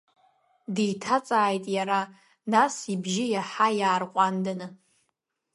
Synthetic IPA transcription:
dijtʰat͡sʼaːjtʼjaɾa | nasibʒɪjaħajaːrqʷʼandanɨ

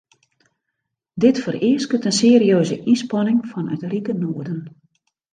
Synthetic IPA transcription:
dɪtfərɪəskətənseːɾiøːzə̰ʔispɔnɪŋfɔnœ̰trikənoədən

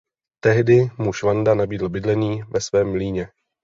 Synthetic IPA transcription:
t̪ɛɦdɪmuʃvandanabiːdl̩bɪdlɛniːvɛsvɛːmːliːɲɛ

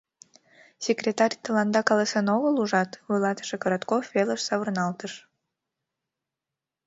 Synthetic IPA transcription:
sʲekrʲet̪ɑrʲt̪əlɑnd̪ɑkɑlesenovəluʒɑt̪vɨlɑt̪ə̥ʃekəɾɑt̪kofveləʃsɑβərnɑlt̪əʃ

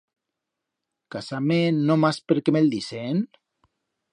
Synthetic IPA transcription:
kasamenːomaspeɾkemeld̪isen

